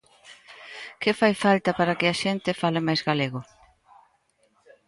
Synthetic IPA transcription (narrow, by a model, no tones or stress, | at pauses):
kɪfajfalt̪ɐpaɾɐkɪaʃent̪ɪfalɪmajzɣaleɣʊ